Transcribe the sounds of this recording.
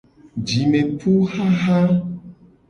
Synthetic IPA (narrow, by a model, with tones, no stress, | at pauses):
d͡ʒi˨mẽ˨tu˦xa˦ɦa˦